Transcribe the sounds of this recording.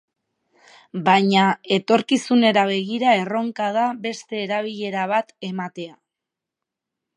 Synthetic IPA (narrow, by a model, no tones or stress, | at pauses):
bajɲae̞t̪o̞ɾkisune̞ɾaβ̞e̞ɣiɾae̞ro̞ŋkað̞aβe̞st̪e̞ːɾaβ̞iʎe̞ɾaβ̞at̪e̞mat̪e̞a